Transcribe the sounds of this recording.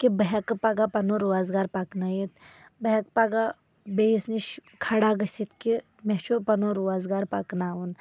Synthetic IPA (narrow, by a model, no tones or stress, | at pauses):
kibəɦɐkpaɡapɐnoɾuaːzɡaːɾpaknəjit̪ | bəɦɐkpaɡa | bejisniʃkʰɐɽaːɡəsʲit̪ki | met͡ʃopɐnoɾuaːzɡaːɾpaknaːun